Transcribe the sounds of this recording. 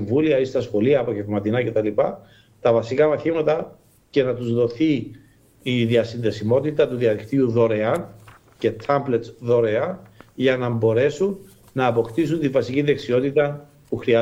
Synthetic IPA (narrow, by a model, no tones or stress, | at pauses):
ɱvuliɐist̪ɐsxo̞liɐːpo̞ʝe̞vmɐt̪inɐce̞t̪ɐlipɐ | t̪ɐvɐsikɐmɐθimɐt̪ɐ | ce̞nɐt̪uzðo̞θiː | ðiɐsinðe̞simo̞t̪it̪ɐt̪uðiɐðikt̪iuðo̞ɾeɐn | ce̞t̪ʰɐmblet̪sðo̞ɾeɐnʝɐnɐbo̞ɾe̞sunː | ɐːpo̞kt̪is̬unt̪iɱvɐsiciðe̞ksio̞t̪it̪ɐ | puxɾiɐ